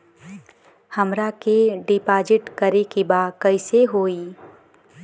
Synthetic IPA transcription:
həmɾakeɖɪpaːd͡ʒɪʈkəɾekebaːd̪kəɪseɦoːi

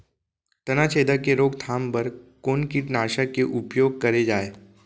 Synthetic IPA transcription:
t̪ɐnat͡ʃʰeːd̪akeɾoːɡt̪ʰaːmpɐɾkoːnkiʈnaːʃakeʔʊpjoːɡ̚kɐɾed͡ʒaːeː

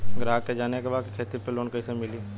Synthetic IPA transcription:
ɡɾaːkːed͡ʒaːnekebaːkikʰeːt̪ipeloːnkɐisemɪliː

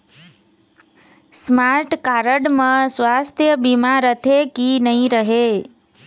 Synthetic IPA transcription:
smaɾʈkaɾəɽmãsʋast̪ʰjəbimaɾət̪ʰekinəɦĩɾəɦe

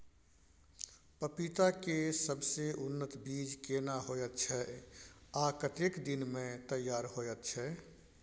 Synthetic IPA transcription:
pəpit̪akesəbseʔʊnːət̪biːd͡ʒkenaɦojət̪t͡ʃʰɛ | akət̪ekd̪inmẽt̪əjːaːɾɦojət̪t͡ʃʰɛ

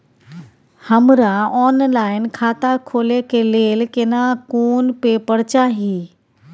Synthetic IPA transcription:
həmɾaɔːnlaːɪnkʰaːt̪akʰoːlekʰeleːlkenãkoːnpepəɽt͡ɕaɦiː

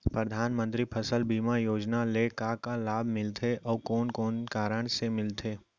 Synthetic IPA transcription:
pɾəd̪ʱaːnmə̃nt̪ɾipʰəsəlbiːmajoːd͡ʒnalekakalaːbʱmɪlt̪ʰeʔɔːkɔːnkɔːnkaːɾəɽ̃semɪlt̪ʰeː

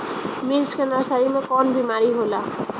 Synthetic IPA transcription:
miɾskenasaɾimekɔnbimaɾiɦola

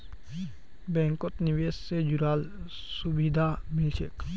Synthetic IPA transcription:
bɛ̃ːŋkot̪nɪʋeːssed͡ʒʊɾaːl | subid̪ʱamɪlʃək

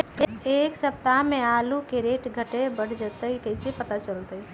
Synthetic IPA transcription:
eksəp̚t̪amealukeɾeʈɡʱəʈebəɽ̤d͡ʒət̪əikəɪsepət̪at͡ʃəlt̪əj

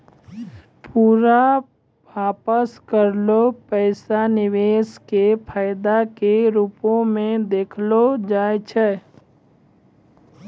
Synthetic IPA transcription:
puːɾa | ʋaːpəskəɾlopəɪsanɪʋeːskepʰaːɪd̪akeɾuːpõmẽd̪eːkʰlod͡ʒaːet͡ʃʰɛ

